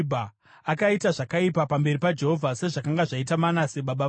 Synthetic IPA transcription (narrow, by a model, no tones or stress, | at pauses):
bʱa | akaitaʐakaipapambe̞ripad͡ʒe̞ɦovʱase̞ʐakaŋɡaʐaitamanaseɓaɓa